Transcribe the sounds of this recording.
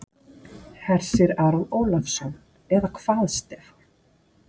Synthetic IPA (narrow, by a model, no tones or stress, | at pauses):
hɛɾ̥sɪɾaːɾaðoːwlafsɔn | ɛðakʰv̥aːðst̪ɛːfɔ̥